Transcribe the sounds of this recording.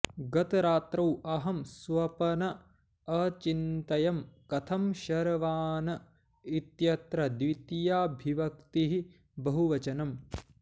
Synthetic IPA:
ɡɐt̪ɾaːt̪ɾɐwɐɦɐmsʋɐpɐnɐ | ɐt͡ʃint̪ɐjɐmkɐt̪ʰɐmʃɐɾɐʋaːnɐ | it̪jɐt̪ɾɐd̪ʋit̪ijaːbʱiʋɐkt̪iɦi | bɐɦuʋɐt͡ʃɐnɐm

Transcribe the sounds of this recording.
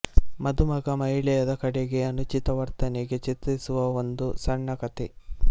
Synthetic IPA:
mɐd̪umɐɡɐmɐɦiɭɛjɐd̪ɐkɐɽeɡeɐnut͡ʃit̪ɐʋɐɾt̪ɐneɡet͡ʃit̪ɾisuʋɐond̪usɐɳːɐkɐt̪i

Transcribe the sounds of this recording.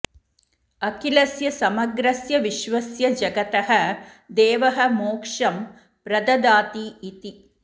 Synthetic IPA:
ɐkilɐsjɐsɐmɐɡɾɐsjɐʋiʃʋɐsjɐd͡ʒɐɡɐt̪ɐɦɐd̪eːʋɐɦɐmoːkʂɐm | pɾɐd̪ɐd̪aːt̪iːt̪i

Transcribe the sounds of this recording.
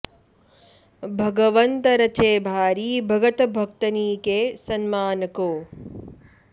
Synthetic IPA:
bʱɐɡɐʋɐnt̪ɐɾɐt͡ʃeːbʱaːɾiːbʱɐɡɐt̪ɐbʱɐkt̪ɐniːkeːsɐnmaːnɐkoː

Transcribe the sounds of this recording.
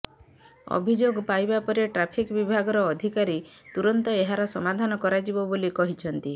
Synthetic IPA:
ɔ̰bʱid͡ʒoɡpajbapɔɾeʈɾapʰikbibʱaɡɔɾɔːd̪ʱikaɾit̪uɾɔnt̪ɔeɦaɾɔsɔmad̪ʱanɔkɔɾad͡ʒibɔbolikɔɦit͡ʃʰɔnt̪i

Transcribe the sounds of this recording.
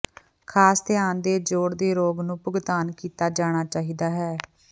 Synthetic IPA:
kʰaːst̪ɪjaːnd̪eːd͡ʒoːɽd̪eːɾoːɡnũːpʊɡt̪aːnkiːt̪aːd͡ʒaːɽ̃aːt͡ʃaːɦiːd̪aːɦɛː

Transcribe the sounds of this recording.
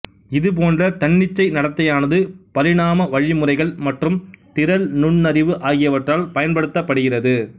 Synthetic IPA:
ɪðɯp̬oːndrɐt̪ɐɳːɪt͡ʃːɐɪnɐɽɐt̪ːɐjaːnɐðɯpɐɾɪɽaːmɐʋɐɻimɯrɐɪɣɐɭmɐʈrɯmt̪ɪɾɐlnʊɳnɐɾɪʋɯʔaːɣɪjɐʋɐʈraːlpɐjɐnpɐɽɯt̪ːɐpːɐɽɯɣɪrɐðɯ

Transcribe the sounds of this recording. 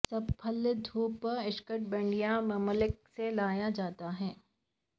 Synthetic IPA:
sɐbpʰɐld̪ʱuːpɪʃkəʈ̚bɐ̃ɳɖijamɐməlɪk̚selaːjad͡ʒaːt̪aɦɛː

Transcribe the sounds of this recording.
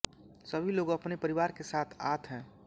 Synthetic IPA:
səbʱiloːɡɐpnepəɾiʋaːɾkesaːt̪ʰa̰ːt̪ʰɦɛ̃ː

